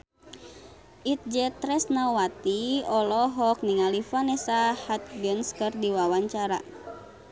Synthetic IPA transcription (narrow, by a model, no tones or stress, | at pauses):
ʔit̪̚d͡ʒɛt̪ɾɛsnawat̪iɔlɔɦɔk̚niŋalifanɛsahat̪̚ɡənskɨrdiwawaɲt͡ʃaɾa̰